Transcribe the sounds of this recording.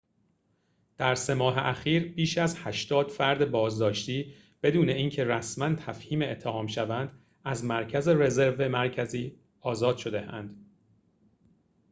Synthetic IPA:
d̪̥æɾse̞mɒːɦḛʔæxiːɾbiːʃæzhæʃt̪ɒːd̪̥fæɾd̪ebɒːzd̪ɒːʃt̪iː | b̥e̞d̪uːne̞iːncʰe̞ɾæsmænt̪ʰæfhiːmeːt̪ʰːehɒːmʃævænd̪̥ | æzmæɾcʰæze̞ɾe̞zeɾvemæɾcʰæziː | ɒːzɒːd̪̥ʃo̞d̪e̞æ̰nd̪̥

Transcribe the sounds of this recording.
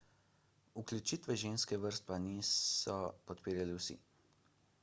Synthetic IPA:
uklʲjut͡ʃiːt̪ʋɛʒeːnskɛʋəɾst̪̚paniːsɔpɔt̪piːɾjaliwsḭ

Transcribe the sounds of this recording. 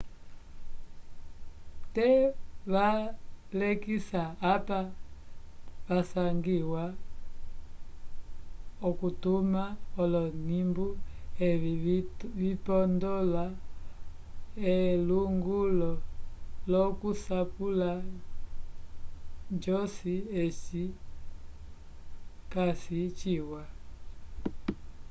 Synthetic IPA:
tɛβalɛkisaːpa | βasaŋɡiwa | ɔkutumaɔlɔnimbuɛ | vipɔndɔla | ɛluŋɡulɔlɔkusapula | d͡ʒɔsiɛt͡ʃi | kasit͡ʃiwa

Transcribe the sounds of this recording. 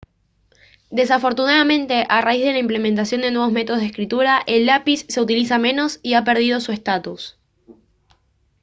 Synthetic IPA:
d̪e̞s̬afo̞ɾt̪unaðamẽ̞nt̪e̞ʔaraizð̞elaimple̞mẽnt̪̬asjo̞nd̪e̞nwe̞β̞o̞zme̞t̪oðoðeskɾit̪uɾaʔe̞lːapisːe̞ut̪ilisamẽ̞no̞siape̞ɾð̞ið̞o̞sue̞st̪at̪us

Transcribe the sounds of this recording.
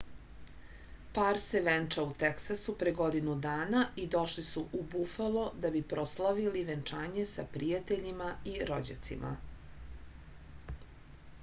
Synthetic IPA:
paːɾseʋent͡ʂaut̪eksasupɾeɡod̪inud̪aːnaid̪o̞ʃlisuʔubufalod̪abipɾo̞slaʋiliʋent͡ʂaːɲesapɾijat̪eʎimaiɾod͡ʑa̰t̪sḭmʔa̰

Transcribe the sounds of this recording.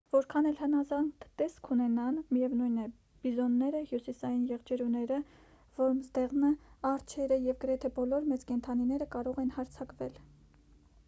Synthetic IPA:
vɔɾkʰɑnɛlhənɑzɑŋt̪ɛskʰunɛnɑnmijɛvnujnɛ | b̥izɔnːɛɾəhjusisɑjinjɛʁd͡ʒɛɾunɛɾə | vɔɾmzd̪ɛʁnəɑɾt͡ʃʰɛɾəjɛvɡəɾɛt̪ʰɛbɔlɔɾmɛt͡skɛnt̪ʰɑninɛɾəkɑɾɔʁɛn̪hɑɾt͡sʰɑkvɛl

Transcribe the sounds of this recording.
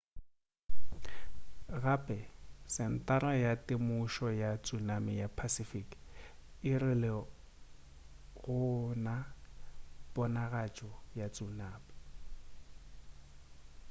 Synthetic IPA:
ɣapʼɛsɪn̩tʼaɾajatʼɪmʊʃɔjat͡sʼunamɪjapʰasifik | ɪrɪlɛ | ɣʊna | b̥ɔnaɣat͡ʃʼɔjat͡sʼunaːbɪ̥

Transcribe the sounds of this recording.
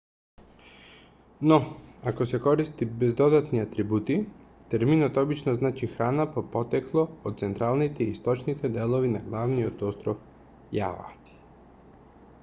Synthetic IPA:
nɔakɔsɛkɔɾist̪ibɛzd̪ɔd̪at̪niat̪ɾibut̪i | t̪ɛɾminɔt̪ɔbit͡ʃnɔznat͡ʃixɾanapɔpɔt̪ɛklˠɔːt̪t̪sɛnt̪ɾalˠnit̪ɛiːst̪ɔt͡ʃnit̪ɛd̪ɛlˠovinaɡlˠavniɔt̪ɔst̪ɾɔf | ja̰va̰

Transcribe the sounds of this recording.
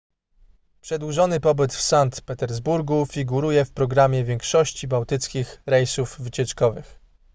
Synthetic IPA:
pʂɛd̪wuʐɔnɘpɔbɘt̪fsant̪pɛt̪ɛɾzbuɾɡufʲiɡuɾujɛfpɾɔɡɾamʲjɛvʲjɛŋkʂɔɕt͡ɕibawt̪ɘt̪skʲixɾɛjsuvvɘt͡ɕɛt͡ʂkɔvɘx

